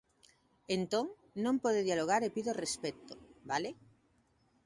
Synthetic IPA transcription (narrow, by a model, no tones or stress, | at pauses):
ent̪oŋ | nõmpoðeðjaloɣ̞aɾepiðorespet̪obale